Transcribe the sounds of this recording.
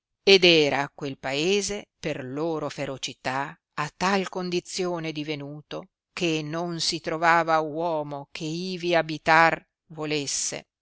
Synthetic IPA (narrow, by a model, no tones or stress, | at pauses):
ed̪ɛːɾakwelpaeːzeperloːɾofeɾot͡ʃit̪a | at̪ːalkond̪it̪sːjoːned̪ivenuːt̪o | kʰenonsit̪ɾovaːvawɔːmokʰeiːviabit̪ar | volesːḛ